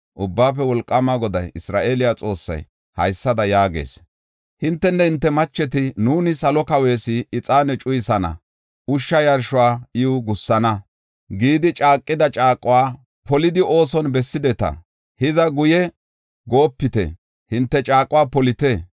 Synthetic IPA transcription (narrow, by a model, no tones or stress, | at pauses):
ʔʊbːaːfɛwɔlkʼːɐmɐɡɔd̪ɐ̰jɪsɾa̰ːʔe̞ːlɪjat͡sʼo̞ːsːɐ̰j | hɐ̰jsːɐd̪ɐjaːɡḛːs | hɪnt̪ːɛnːɛhɪnt̪ːɛmɐt͡ʃːɛt̪̬ɪnuːnɪsɐlɔkɐweːsɪɪt͡sʼaːnɛt͡ʃʼʊjɪsɐnɐ̰ | ʊʃːɐjɐɾʃʊwaːɪʊɡʊsːɐnɐ | ɡiːd̪ɪt͡ʃʼaːkʼːɪd̪ɐt͡ʃʼaːkʼʊwaː | pɔlɪd̪ɪʔo̞ːsɔnbɛsːɪd̪ɛt̪ɐ̰ | hɪzɐɡʊjɛ | ɡo̞ːpːɪt̪ɛ̰ | hɪnt̪ːɛt͡ʃʼaːkʼːʊwaːpɔlɪt̪e